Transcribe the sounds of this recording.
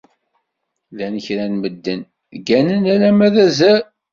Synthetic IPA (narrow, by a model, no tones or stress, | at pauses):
ðænəçɾænməd̪ːən | ɡænənælæmæðæzæ